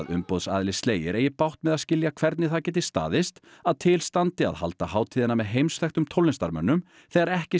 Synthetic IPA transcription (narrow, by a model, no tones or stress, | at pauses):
ðʏmpowðsaːðɪlɪst̪leːjɪ̰ɾʔeːjɪpawht̪mɛðaðscɪljakʰv̥ɛɾt̪nɪθaðcɛːt̪̬ɪst̪a̰ːðɪst̪aðt̪ʰɪlst̪ant̪ɪa̰ðha̰lt̪ahaːwt̪ʰiːðɪnamɛðɦejmsfɛxt̪ʏmt̪ʰowlɪnst̪a̰ɾmœ̰nːʏm | θɛɣaɾɛhcɪ